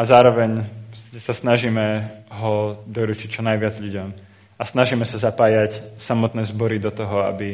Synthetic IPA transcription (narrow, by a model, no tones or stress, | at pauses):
azaːɾɔʋɛɲsasnaʒimɛɦɔd̪ɔɾut͡ʃic̚t͡ʃɔnajʋɪad͡zʎuɟɔm | asnaʒiːmɛsazapaːjacsamɔt̪nɛːzbɔɾid̪ɔt̪ɔɦɔa̰bi